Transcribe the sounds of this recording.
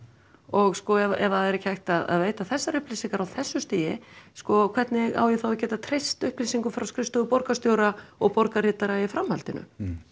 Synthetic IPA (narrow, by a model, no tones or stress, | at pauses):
ɔɣskɔɛvaʔɛvaðɛɾɛchajxt̪aða̰ðveːjt̪aθɛsːaɾʏhplisiŋkaɾawθɛsːʏst̪iːjɪskɔkʰv̥ɛɾt̪nɪɣa̰ːwjɪθawacɛːt̪at̪ʰɾejst̪ʏhplisiŋkʏfɾawskɾɪst̪ʏʏpɔɾkast̪jowɾaɔɣpɔɾkarɪːt̪aɾaɪfɾamhalt̪ɪnʏ̰